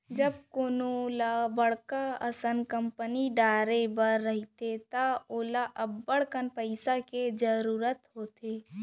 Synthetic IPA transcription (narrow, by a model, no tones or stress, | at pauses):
d͡ʒəb̚koːnolabəɽkaəsənkəmpəniɖaːɾebəɾːəɦit̪et̪aoːlaʔəbːəɽkənpəɪsaked͡ʒəɾuːɾət̪ɦoːt̪eː